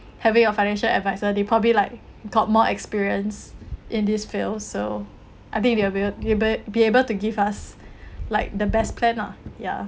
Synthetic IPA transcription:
hɛvĩŋaəfaɪnɛ̃nʃəlɛ̰dvaɪzədepʰɹ̥ɔbəblilaɪk̚ | ɡ̥ɔt̚mɔʔɛkspiɹiə̃nsʔɪ̃ndisfilso | ʔaɪt̪ĩŋ̚dewbiebəbiebəltuɡivaslaɪk̚dəbɛspʰlɛ̃na̰ja̰

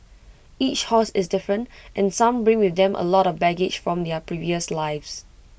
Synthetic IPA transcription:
it͡ʃhɔsɪsdɪfɹə̃ntʔɛ̃nsãmbɹɪ̃ŋwɪθdɛ̃mʔə̰lɔtɔvbɛɡɪd͡ʒfɹɔ̃md̪ɛpʰɹiviəslaɪvs

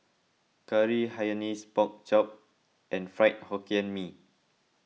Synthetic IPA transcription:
kəɹihajənispɔk̚t͡ʃɔp̚ | ʔɛ̃nfɹaɪt̚hɔkiə̃nmi

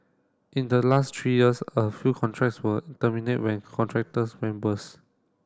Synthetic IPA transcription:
ʔĩndəlastʰɹijiəsəfjuːkʰɔ̃ntʰɹɛk̚tswətəminet̚wɛ̃nkʰɔ̃ntʰɹɛk̚təsmɛ̃mbəs

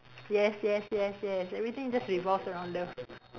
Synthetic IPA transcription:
jɛsjɛsjɛsjɛsɛvɹit̪ɪ̃ŋd͡ʒʌstɹivɔlsəɹãʊ̃ndo

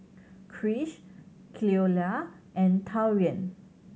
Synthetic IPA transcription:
kʰɹiʃ | kʰliola | ʔɛ̃ntʰawɹiə̃n

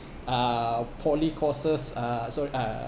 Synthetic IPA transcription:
apʰɔlikʰɔsəsasɔʔa

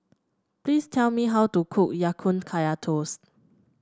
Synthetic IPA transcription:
pliːstʰɛlmiɦawtukʰukjakʰũnkʰajatʰos

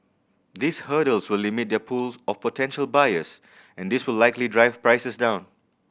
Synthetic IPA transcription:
d̪ishəɾəlswɪlːimɪt̚d̪ɛpʰulsɔfpɔtʰɛ̃nʃəlbajəs | ɛ̃nd̪iswɪllaɪklidɹaɪvpɹaɪsəsdãʊ̃n

